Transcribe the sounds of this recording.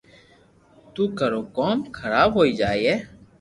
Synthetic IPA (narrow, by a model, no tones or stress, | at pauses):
t̪uːkəɾoːkoːmkʰəɾaːbɦoːiːd͡ʒaːiːɦɛː